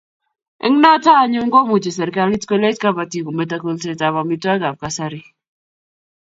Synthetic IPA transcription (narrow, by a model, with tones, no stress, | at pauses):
ʔɛ̰˦ŋna˦ta˦˨ɲu˦ŋ˦ɡo˦mu˨t͡ʃe˨sɛ˨ɾka˦li˦tko˦le˦tka˦ba˨ti˨ko˨me˨ta˨ko˨lse˨ta˨βa˨mi˦ta˦ɡa˨b̚ka˨sa˦ɾi˦